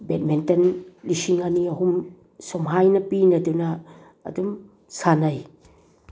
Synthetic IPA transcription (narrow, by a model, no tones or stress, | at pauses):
bɛt̚mɛntɐnlisiŋaniɐɦum | sɔmɦajnɐpinɐduna̰ː | dum | sanɐj